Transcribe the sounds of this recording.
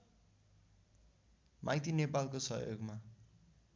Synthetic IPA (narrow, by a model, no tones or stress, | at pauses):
mʔajt̪inepalkosʌjo̰ɡma